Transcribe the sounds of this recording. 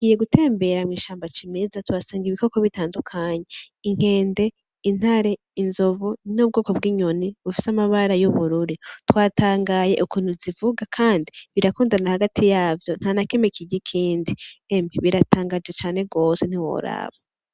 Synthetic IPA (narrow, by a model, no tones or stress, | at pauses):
ɡije̞ɡute̞ːmbe̞ɾamŋiːʃaːmbat͡ʃimezatuwasaːŋɡiβiko̞ko̞βitaːndukʰaɲe̞iŋ̥he̞ːnde̞ | in̥haɾe̞ | inzovunob̚ɡo̞ːkobɡiːɲoniβufi̥samaβaɾajuβuɾuɾitwaːtʰaːŋɡaje̞̰ʔukuːn̥uzivuɡakʰaːndiβiɾakuːndanahaɡatʰijaːvjo̞n̥hanake̞me̞kiɟikʰiːndiemeβiɾataːŋɡad͡ʒɡe̞t͡ʃaːne̞ɡo̞ːse̞n̥iwo̞̰ɾa̰ːβa